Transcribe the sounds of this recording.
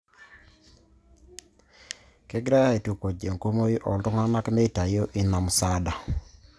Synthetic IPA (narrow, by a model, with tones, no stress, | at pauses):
kɛ˦ɡɾa˦ja˦e˨tu˨ko˨d͡ʒe˨ŋko˦mo˦ji˦ʔɔ˨ltʊ˦ŋa˦na˦kme˦˨ta˨jo˦ʔi˦na˨msa˦da˨